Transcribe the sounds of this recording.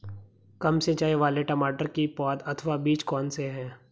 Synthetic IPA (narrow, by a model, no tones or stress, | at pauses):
kɐmset͡ʃaːeʋaːleʈɐmaːʈəɾkipɔːd̪ɐt̪ʰʋabiːt͡ʃkɔːnseɦɛ̃ː